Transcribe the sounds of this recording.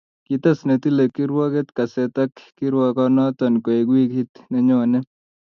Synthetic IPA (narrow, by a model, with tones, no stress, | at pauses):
kit̪a˦sne˨t̪i˦le˨ki˦ɾwɔ˦ke˦t̪ka˨sɛ˨t̪a˦kki˦ɾwɔ˨kɔ˦nɔ˦t̪ɔ˨nko˨e˨ɡwi˦khi˦t̪nɛ˨ɲɔ˦nɛ˦